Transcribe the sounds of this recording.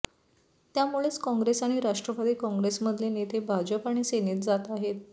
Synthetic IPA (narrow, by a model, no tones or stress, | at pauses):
t̪jamuɭet͡skɔ̃ŋɡɾesaɽ̃iɾaʂʈɾəbad̪iːkɔ̃ŋɡɾesməd̪ʱljenet̪ebʱad͡ʑəpaɽ̃iseniːt̪d͡zat̪aɦet̪